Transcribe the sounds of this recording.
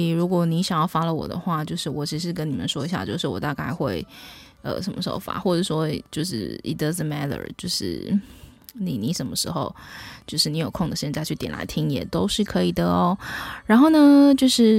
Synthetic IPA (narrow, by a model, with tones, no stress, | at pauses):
ɻu˧˥kwɔ˨˧˩ni˧˥ɕjɑ˨˩ŋjɑ˥˩ʊfa˥lə˨wɔ̰˨˩d̪ə̰˦xwa˥˩t͡ɕjo˥˧ʊʂɻ̩˥˩wɔ˨˩t͡ɕʰi˧˥ʂɻ̩˥˧k̬ə˥ni˨˩mə̰˦nʂwɔ˥i˧˥ɕja̰˧˩t͡ɕjo˥˧ʊʂɻ̩˥˩wɔ̰˨˩t̪a˥˧ka˥˧ɪxwe˥˩ɪ | ə̰˨˩ʂə˧˥nmə˧˩ʂo̰˥ʊfa̰˧˥˦xwɔ˥˩ʈ͡ʂɤ˨˩wɔ˥t͡ɕjo˥˧ʊʂɻ̩̰˥˩ḭ˨t̚də˧˥zə˨˩mæ˥ɾə̰˞˨˩t͡ɕjo˥˧ʊʂɻ̩̰˥˩ | nḭ˨˩ni˧˥ʂə˧˥nmə˧ʂɻ̩˧˥xo˧ʊt͡ɕjo˥˧ʂɻ̩˥˩ni˧˥jo˨˩ʊkʰo˥˩ŋd̪ə˩ɕjɛ˥˧nt͡sa˥˧ɪt͡ɕʰy˥˩t̪jɛ˨˩nla̰˧˥ɪt̪ʰi˥ŋjɛ̰˨˩t̪o˥ʊʂɻ̩˥˩kʰɤ˧˥i˨˩d̪ə˩˦ɔ˦ɻa˧˥nxo˥˩ʊnə˩t͡ɕjo˥˧ʊʂɻ̩˥˩